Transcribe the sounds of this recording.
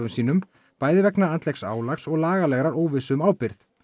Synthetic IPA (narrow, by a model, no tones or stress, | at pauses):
ʏmsiːn̪ʏm | paːjðɪvɛknaant̪lɛksa̰ːwlaxsɔɣlaːɣalɛɣɾaɾoːwvɪsʏmaːwpɪɾθ